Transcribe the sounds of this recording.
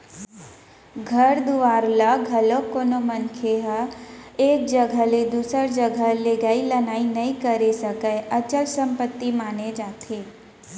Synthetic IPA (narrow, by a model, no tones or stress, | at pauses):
ɡʱəɾd̪uʋaɾlaɡʱəlokonomənkʰeɦəeːk̚d͡ʒəɡʱəled̪usəɾd͡ʒəɡʱəleɡailənainəĩkəɾesəkəjət͡ʃəlsə̃mpət̪ːimaned͡ʒat̪ʰe